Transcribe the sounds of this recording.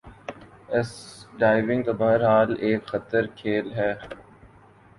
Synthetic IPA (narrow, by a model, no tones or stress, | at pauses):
ɪsɖaːɪʋɪ̃ŋɡt̪ɐbɐɦəɾɦaːleːkxɐt̪əɾkʰeːlɦɛː